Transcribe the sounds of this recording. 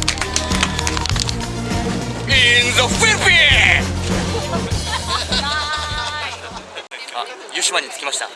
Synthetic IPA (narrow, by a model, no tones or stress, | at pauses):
inzofiɾpie | a | juɕimaɲit͡sɨ̥kʲimaɕt̪a̰